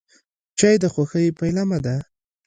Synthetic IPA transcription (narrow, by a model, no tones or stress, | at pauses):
t͡ʃajd̪axwaxajpajlamad̪a